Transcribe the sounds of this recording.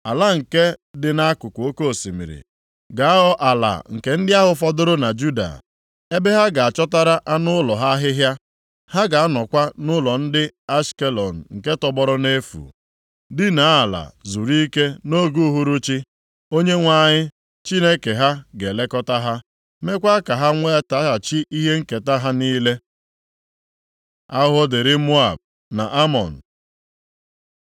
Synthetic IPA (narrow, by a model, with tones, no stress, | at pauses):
a˨la˦ŋ̩˨ke˦dɪ˨na˦kʊ˨kʷo˦ko˦˨si˨mḭ˨ɾḭ˨ | ɡa˨a˦ɔ˦ʔa˨la̰˨ŋ̩˨ke˨n̩˦dɪ˦a˦ɦʊ˨fɔ˦dʊ˦ɾʊ˦na˨d͡ʒu˦da̰˨ | e˦be˦ɦa˦ɡa˨a˨t͡ʃɔ˦ta˦ɾa˦ʔa˦nʊ˦lɔ˨ɦa˦ɦɪ˦ɦja˦ | ha˦ɡa˨a˦nɔ˨kʷa˦nʊ˦lɔ˨n̩˦dɪ˦a˦ske˦lɔ˨n̩˨ŋ̩˨ke˦tɔ˦bɔ˦ɾʊ˦ne˦fṵ˨ | dɪ˦na˨˦a˨la̰˨zu˨ɾi˦ke˦no˦ɡu˦ɦu˦ɾu˦t͡ʃi˦ | o˦ɲe˦ŋʷa˦ɲɪ˦ | t͡ʃi˦ne˦ke˨ɦa˦ɡe˨le˦kɔ˦ta˦ɦa˦ | me˦kʷa˦ka˨ɦa˦ŋʷe˦ta˦a˨t͡ʃi˦ʔi˦ɦe˦ŋ̩˦ke˨ta˦ɦa˦niː˦le˦ | a˦ɦɔ˦dɪ˨ɾɪ˦mo˦a˨b̚ | na̰˨ʔa˦mɔ̰˨n̩˨